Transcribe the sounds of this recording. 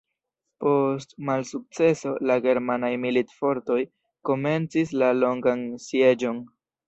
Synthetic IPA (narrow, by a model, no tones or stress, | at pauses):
po̞stmalsuk̚t͡se̞so̞laɡe̞ɾmanajmilitfo̞ɾto̞j | ko̞me̞nt͡sislalo̞ŋɡansje̞d͡ʒo̞n